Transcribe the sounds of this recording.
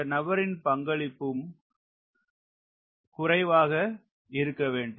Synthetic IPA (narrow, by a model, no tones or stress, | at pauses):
nɐbɐɾɪnpɐŋɡɐɭɪpːɯm | kʊrɐɪʋaːɣɐ | ɪɾɯkːɐʋeːɳɖ